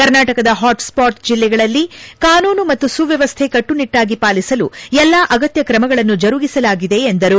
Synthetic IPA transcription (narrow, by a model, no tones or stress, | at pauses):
kɐɾnaːʈɐkɐd̪ɐɦaːʈspaːɾʈd͡ʒilːɛɡɐɭɐlːikaːnuːnumɐt̪ːusuʋjɐʋɐst̪ʰe̞kɐʈːuniʈːaːɡipaːlisɐluɛlːaːʔɐɡɐt̪jɐkɾɐmɐɡɐɭɐnːud͡ʒɐɾuɡisɐlaːɡid̪e̞ːnd̪ɐɾu